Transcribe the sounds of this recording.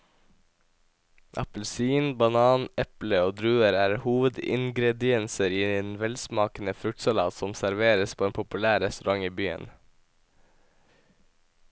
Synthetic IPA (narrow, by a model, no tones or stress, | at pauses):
ʔɑ̰pəl̩siːnbɑnɑːnɛpləoːd̪ɾʉːəɾæːɾhuːʋəd̪ɪ̰ŋɡɾɛd̪ɪɛnsəɾiːeːnʋɛlsmɑːkənəfɾʉk̚t̪sɑlɑ̰ːt̪sɔmsæɾʋeːɾəspʰoːeːnpʰʊpʉlæːɾɛst̪ʊɾɑŋiːbyːə̰n